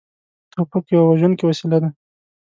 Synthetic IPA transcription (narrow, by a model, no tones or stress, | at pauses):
t̪opokjawawaʒunkewasilad̪a